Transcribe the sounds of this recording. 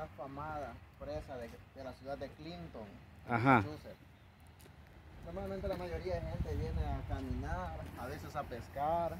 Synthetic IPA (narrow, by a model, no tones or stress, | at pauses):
afamaðapɾesaðed̪elasjuðad̪eklint̪oŋ | aɦauset̪ | noɾmalment̪elamaʝo̞ɾiaðexe̞nt̪eβje̞neakamĩnaɾaβe̞sesapeskaɾ